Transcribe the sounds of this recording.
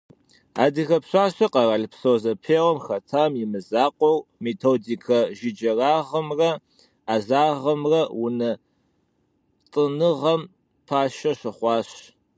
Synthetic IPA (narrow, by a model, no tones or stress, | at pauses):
a̰ːdixɐpɕʷʼaːɕɐqɐrɐɮpsoːzɐpʰeːʁɔmxɐtʰaːmjɪmɨzaːqʷʼɔrmeːtʰoːdikʰɐʒɪd͡ʒɐraːʁɐmrɐ | aːzaːʁɐmrɐwʊnɐ | t͡sʼɨnɨʁɐm | pʰaːʃɐʃɐχʷɑːɕ